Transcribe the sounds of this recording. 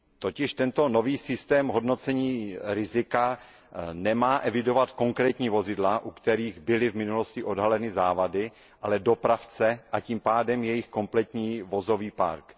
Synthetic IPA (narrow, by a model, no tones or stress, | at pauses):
t̪o̞cɪʃt̪ɛnt̪ono̞viːsɪst̪ɛːmɦo̞dno̞t͡sɛɲiːɾɪzɪka | nɛmaːʔɛvɪdo̞vat̪ko̞ŋkɾɛːt̪ɲiːvo̞zɪdlaʔukt̪ɛɾiːɣbɪlɪvmɪnulo̞scɪʔo̞dɦalɛnɪzaːvadɪ | ʔalɛdo̞pɾaft͡sɛʔaciːmpaːdɛmjɛjɪxko̞mplɛt̪ɲiːvo̞zo̞viːpa̰ɾk